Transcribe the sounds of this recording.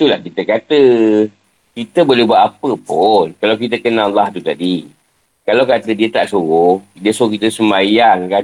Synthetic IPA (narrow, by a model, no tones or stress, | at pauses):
t̪ulahkit̪əkat̪ə | kit̪əbolɛhbuat̪ʔapəpʊnkalawkit̪̬əkənalːaht̪ut̪adi | kalawkat̪ədiət̪aʔsuɣʊhdiəsuʊkit̪əsəmajaŋka